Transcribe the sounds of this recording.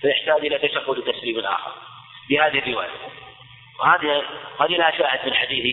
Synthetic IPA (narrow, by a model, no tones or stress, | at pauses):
fajɪħt̪aːd͡ʒʔɪlat̪aʃaxːʊlt̪asliːmɪlʔa̰ːxɑ̰ɾˤ | fihaːðɪhɪrːɪwa̰ːja̰ | whaːðihaːðilaʃaːhɪd̪mɪnħad̪iːθi